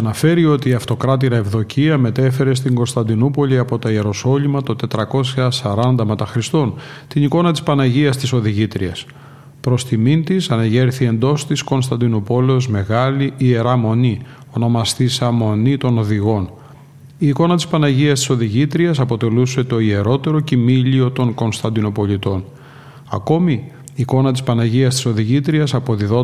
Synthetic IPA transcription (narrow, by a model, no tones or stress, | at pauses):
ɐnɐfe̞ɾio̞t̪iːɐft̪o̞kɾɐt̪iɾɐevðo̞ciɐme̞t̪e̞fe̞ɾe̞s̬t̪iŋɡo̞nst̪ɐnd̪inupo̞liɐpo̞t̪oieɾo̞so̞limɐt̪o̞t̪e̞t̪ɾɐko̞sçɐsɐɾɐnd̪ɐme̞t̪ɐxɾist̪o̞nt̪iniko̞nɐt̪ispɐnɐʝiɐst̪iso̞ðiʝit̪ɾiɐs | pɾo̞st̪imint̪isɐnɐʝe̞ɾθie̞nd̪o̞st̪isko̞nst̪ɐnd̪inopo̞leosme̞ɣɐliie̞ɾɐmo̞ni | o̞no̞mɐst̪isɐmo̞nit̪o̞no̞ðiɣo̞n | iːko̞nɐt̪ispɐnɐʝiɐst̪i̥so̞ðiʝit̪ɾiɐsɐpo̞t̪e̞luse̞t̪o̞ie̞ɾo̞t̪e̞ɾo̞cimiʎio̞t̪o̞ŋko̞nst̪ɐnd̪ino̞po̞lit̪o̞n | ɐ̰ko̞miː | ko̞nɐt̪ispɐnɐʝiɐst̪i̥so̞ðiʝit̪ɾiɐsɐpo̞ðiðo̞